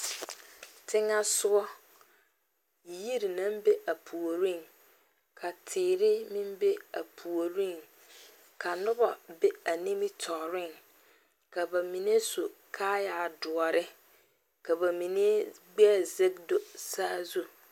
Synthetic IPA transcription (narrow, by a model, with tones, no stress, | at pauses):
tʰɪ̃˦ŋa˦sʊ˦ɔ˦˨ | ji˦ɾi˨nã˦m˦be˦ʔa˨pʰu˨o˨ɾĩ˦n | kʰa˨tʰɪː˨ɾɪ˦mĩ˦m˦be˦a˨pʰu˨o˨ɾĩ˦n | kʰa˨nʊ̃˦ba˨be˦a˨nĩ˦mĩ˦tʰɔː˨ɾɪ̃˦n | kʰa˨ba˨mĩ˨n˦ẽ˦so˨kʰa˦ja˨dʊ˨ɔ˨ɾɪ˦ | kʰa˨ba˨mĩ˨nĩ˦e˦ɡ͡bɛ˦˨ze˦kdo˦saː˦zu˦